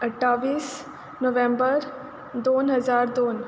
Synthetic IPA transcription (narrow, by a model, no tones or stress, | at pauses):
əʈʰːaʋiːs | noʋẽmbəɾ | d̪onɦəd͡zaɾd̪on